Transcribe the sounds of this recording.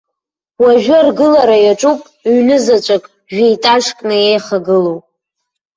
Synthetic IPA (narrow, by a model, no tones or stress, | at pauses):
waʒᶣɪrɡɨlaɾajaʈ͡ʂʷʼupʼ | ɥnɨzat͡ʃʷʼakʼ | ʒᶣejtʼaʂkʼnɨejχaɡɨlowpʼ